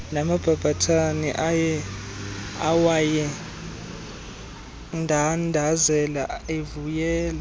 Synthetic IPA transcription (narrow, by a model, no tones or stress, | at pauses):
namab̥ʱab̥ʱatʰanḭʔajɛ | awajɛ | ndʱandʱazɛlaevujɛːla